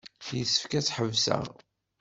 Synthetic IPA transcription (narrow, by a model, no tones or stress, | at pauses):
jəsːə̥fkæt͡sːħəvsə̰ʁ